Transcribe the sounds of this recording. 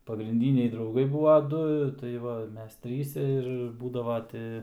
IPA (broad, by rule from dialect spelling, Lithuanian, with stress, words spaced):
pɐɡrʲɪnʲˈdʲiːnʲɛɪ drɐʊˈɡɐɪ ˈbuːʋɐ ˈdʊ tɐɪ ˈʋɐ ˈmʲɛs ˈtʲrʲiːsʲɛ ɪr ˈbuːdɐʋɐ ˈtʲɪ